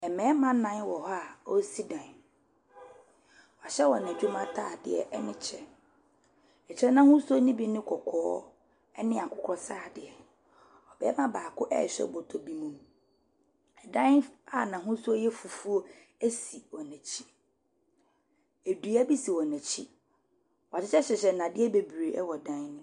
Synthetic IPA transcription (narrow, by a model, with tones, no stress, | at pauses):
ɛ˨mɛ̃˨˦mã˦nã˨˦n˦wɔ˨ɦɔ˦a˨ɔ˦si˦dã˨n˨ | ɔ˨ɕɛ˦wɔ˨nɛ̃˨d͡ʑᶣʊ˦mã˦tʰaː˦˨dɪ̰˨ɛ̰˨ʔɛ˦nɪ̃˦t͡ɕʰɛ˨ | ɛ˨t͡ɕʰɛ˦nã˦hʊ̃˦su˦o˦nĩ˦bi˦nɪ̃˦kʰɔ˨kʰɔː˦ | ɛ˦nɪ̃˦˨a˨kʰʊ˦kʰɔ˦saː˦˨dɪ˨ɛ˨ | ɔ˨bɛ˦mã˦baː˨kʰʊ˦ʔɛ̰˦˨ɕᶣɛ̰˦˨bɔ˨tʰɔ˨bi˦mũ˦m | ɛ˨dã˦na˦˨nã˨ɦʊ̃˦su˦o˦jɛ˦fu˨fu˦o˦ | æ˦si˨wɔ˨næ̃˨t͡ɕʰi̥˦ | e˨du˨æ˦bi˦si˨wɔ̃˨nɛ̃˨t͡ɕʰi˦ | wt͡ɕʰɪ˦t͡ɕʰɛ˦ɕɛ˨ɕɛ˨nã˨dɪ˦ɛ˦be˨bɾe˨ɛ˦wɔ˨dã˦nnɪ̃˦